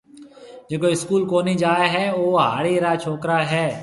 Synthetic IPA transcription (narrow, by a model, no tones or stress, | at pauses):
d͡ʒeːkoɪskuːlkoːniːd͡ʒaːeɦɛːoːɦa̰ːɽiːɾaːt͡ʃʰoːkɾaːɦɛː